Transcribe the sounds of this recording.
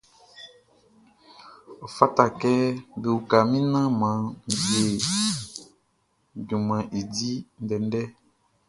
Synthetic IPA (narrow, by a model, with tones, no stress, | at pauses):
o˨fa˦ta˨kɛ˦be˨wu˨ka˨mĩ˦nã˦mã˨˦m˨bje˨ | ɟũ˨mã˨ʔe˨di˦n̩˦dɛ˨n˦dɛ˦